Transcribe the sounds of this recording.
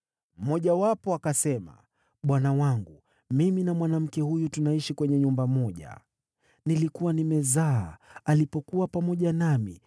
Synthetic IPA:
m̩mɔʄawapɔakasɛma̰ | ɓwanawaŋɡu | miminamwanam̩kɛhujutunaiʃikwɛɲɛɲumbamɔʄa̰ | nilikuwanimɛzaalipɔkuwapamɔʄanamḭ

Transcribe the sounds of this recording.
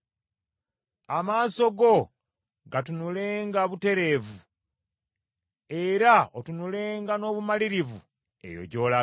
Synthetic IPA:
amaːso̞ɡo̞ | ɡat̬unule̞ːŋɡaβute̞ɾe̞ːvu | e̞ɾaotunuleːŋɡano̞ːβumaliɾivu | e̞̰jo̞̰ɟo̞ːla

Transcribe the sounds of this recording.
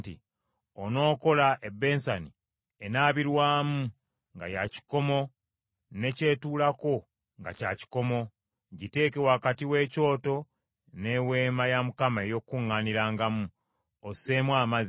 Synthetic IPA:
tḭ | ono̞ːko̞laʔebːe̞ːnsani | enaːβiɾwaːmu | ŋɡa̰jaci̥ko̞mo̞ | ne̞ce̞ːtuːlako̞ | ŋɡa̰caːci̥ko̞mo̞ | ɟite̞ːkewakatiwe̞ːco̞ːto̞ | ne̞weːmajamukamae̞jo̞kːuŋːaniɾaːŋɡamu | ose̞ːmwaːmaz

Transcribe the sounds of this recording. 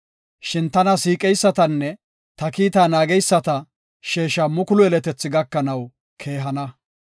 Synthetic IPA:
ʃɪnt̪ɐnɐsiːkʼɛjsːɐt̪ɐnːɛ | t̪ɐkiːt̪aːnaːɡɛjsːɐt̪ɐ | ʃeːʃɐmʊkʊlʊɛlɛt̪ɛt͡sːɪɡɐkːɐnɐw | kʰe̞ːɦɐnɐ

